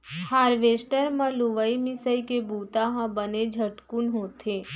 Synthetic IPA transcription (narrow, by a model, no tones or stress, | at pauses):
haːɾʋeːsʈəɾmãluʋəimɪsəikebuːt̪aɦãbəned͡ʒʱəʈkʊnɦoːt̪ʰeː